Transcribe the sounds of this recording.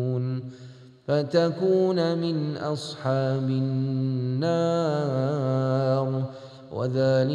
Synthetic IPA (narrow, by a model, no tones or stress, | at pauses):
n | fat̪akuːnmɪnʔɑsˤħɑːbɪnːaː | ɾˤ | wa̰ðaːlɪ